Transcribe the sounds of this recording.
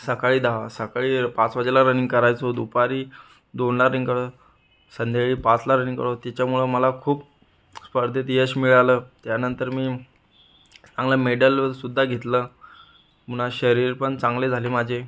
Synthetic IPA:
səkaɭiːd̪aasəkaɭiːpat͡sʋad͡ʑlaɾəniŋɡkəɾajt͡sod̪upaɾiː | d̪onlaɾəniŋkəɽo | sənd̪ʱeɭiːpãt͡slaɾənĩŋɡkə̰ɭot̪et͡ɕjamuɭəməlakʰuːp̚ | spəɾd̪ʱet̪jəɕmiɭaləːt̪janənt̪əɾmiː | t͡sãŋlaəmeɖəlsud̪ʱːaɡʱet̪lə | munaɕəɾiːɾpəɳt͡sãŋɡled͡zʱaleːmad͡ʑʱe

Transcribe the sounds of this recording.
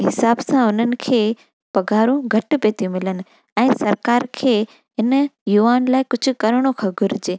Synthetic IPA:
ɦɪsaːbsãʊn̤ənɪ̆kʰeː | pɐɡʱaːɾũɡʱɐʈpeːt̪ʰiũmɪlənɪ̆ | ɛ̃ːsɐɾkaːɾkʰeː | ɦɪnjuaːnlaːɪkʊd͡ʑʱʊ̆kɐɾɽ̃okʰɐɡʱʊɾɪd͡ʑeː

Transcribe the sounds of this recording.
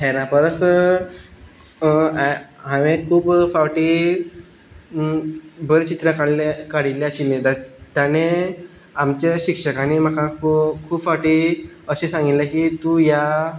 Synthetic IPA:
ɦeɾãpəɾəsə | ɦaʋẽkʰuːpfawʈiː | bəɾet͡ɕit̪ɾakaɽlekaɽileəɕinet̪at̪jane | amt͡ɕeɕikʂəkanim̤əkakkʰuːbfawʈiː | əɕesãŋɡit̪lekiːt̪uja

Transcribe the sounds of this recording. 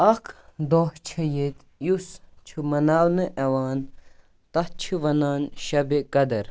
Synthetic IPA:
ɐkʰd̪oːht͡ʃʰɐjet̪ | just͡ʃʰumɐnaːwnɨʔɐwaːn | t̪ɐht͡ʃʰiʋɐnaːnʃɐbekɐd̪ɐɾ

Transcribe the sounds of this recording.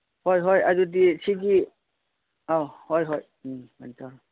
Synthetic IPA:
hɔjɦɔjadudisʰiɡi | ahɔjɦɔj | mantaɾ

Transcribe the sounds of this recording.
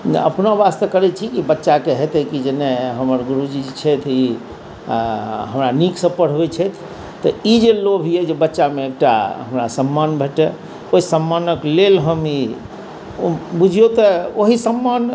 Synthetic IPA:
n̰ə̰pnabast̪əkəɾɛt͡ʃʰikibətːʃakeɦet̪ɛkid͡ʒenɛɦəməɾɡuɾud͡ʒid͡ʒt͡ʃʰɛt̪ʰi | ɦəmɾaniksə̃pəɽ̤ɛt͡ʃʰɛt̪ʰ | t̪ɔid͡ʒelobʱijɛd͡ʒebətːʃameek̚ʈa̰ɦəmɾasəmːanbʱeʈɛ | oisəmːanəklelɦəmi | bud͡ʒʱijot̪ɔoɦisəmːan

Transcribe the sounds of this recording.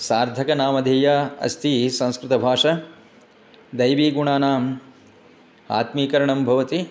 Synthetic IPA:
saːɾd̪ʱɐkɐnaːmɐd̪ʱeːjaːɐ̰st̪ʰisɐ̃w̃skɾɪt̪ɐbʱaːʂɐ | d̪ɐjʋiːɡuɳaːnaːm | a̰ːt̪miːkɐɾɐɳɐmbʱɐʋɐt̪i

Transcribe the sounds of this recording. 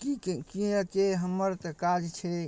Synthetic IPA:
kikkiekeɦəmːəɾt̪əkad͡ʒt͡ʃʰe

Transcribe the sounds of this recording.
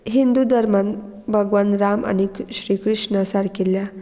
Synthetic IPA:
ɦind̪ud̪əɾman | bʱəɡʋanɾama̰niɕɾiːkɾiʂɳəsaɽkilja

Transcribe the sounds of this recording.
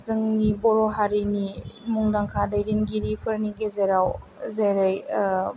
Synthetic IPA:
zɯŋnibɔɾɔɦaɾinimuŋdaŋkʰadajɾinɡiɾipʰɯɾniɡezeɾaw | zejɾaj

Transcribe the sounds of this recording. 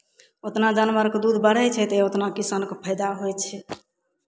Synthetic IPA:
ot̪nad͡ʒanbəɾkd̪ud̪ʱbəɽ̤ɛt͡ʃʰɛt̪eot̪nakisankpʰəjd̪aɦojt͡ʃʰɛ

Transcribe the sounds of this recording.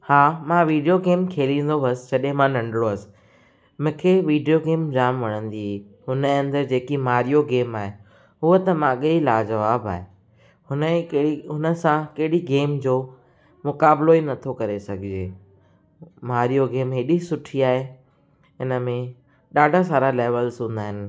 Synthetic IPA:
haːmãːʋiːɖijoɡeːmkʰeːlĩːn̆d̪obʱɐsɪ̥d͡ʑɐɗɦẽmãnɐ̃ɳɖɽoɐsɪ̥ | mʊ̃kʰeːʋiːɖijoɡeːmd͡ʑaːmʋɐɽ̃ə̃nd̪iɦ | ɦʊnəɐ̃nd̪əɾd͡ʑeːkimaːɾijoɡeːmaːɦe | ɦʊət̪ɐmãɠeilaːd͡ʑɐʋaːba̰ːɦe | ʊnəɦʊnə̆sãkɐɦɪɽiɡeːmd͡ʑoː | mʊkaːbloinɐt̪ʰokɐɾesɐɡʱɪd͡ʑeː | maːɾijoɡeːmɦɪɗisʊʈʰiaːɦe | ɪnəmẽ | ɗaːɖʱas̬aːɾaleːʋəlsũːnd̪aːɦɪnɪ̆

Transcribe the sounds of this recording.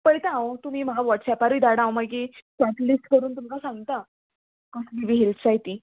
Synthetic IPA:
pəɽt̪aãʋot̪um̤iːm̤əɡaʋɔʈsɛpaɾʋiːd̪aɽãwmaɡisat̪liːskəɾuːnt̪um̤akasãŋɡt̪a | kəsliʋiɦilt͡sajt̪iː

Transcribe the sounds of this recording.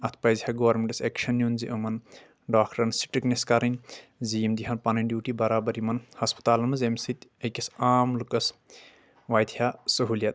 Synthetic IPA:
ɐt̪ʰpɐjzihɐɡoːɐɾmeɳʈɐseːkʃɐnjunziʔɐmɐn | ɖaːkʈɐɾnsi̥ʈɨknɐskɐɾɐnʲzijmd̪iɦɐnpɐnɐnɖjuːʈibɐɾaːbɐɾimɐnhɐspɐ̥t̪aːlɐmɐzemsit̪ʲɐjkʲɐsaːmlukɐs | ʋaːjt̪ʰjasɐɦuːljɐt̪̚

